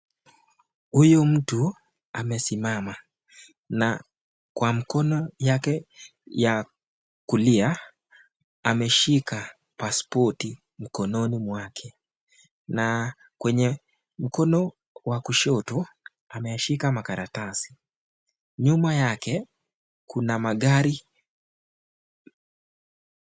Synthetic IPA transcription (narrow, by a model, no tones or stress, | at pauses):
hujɔm̩tu | amɛsimama | na | kwam̩kɔnɔjakɛ | ja | kulia | amɛʃika | paspɔti | m̩kɔnɔnimwakʰɛ | na | kwɛɲɛ | m̩kɔnɔ | wakuʃɔtɔ | amɛjaʃikamakaɾatasi̥ | ɲumajakɛ | kunamaɠaɾi